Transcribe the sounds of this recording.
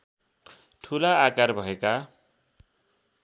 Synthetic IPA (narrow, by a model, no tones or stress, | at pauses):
ʈʰulaːkarbʱʌeka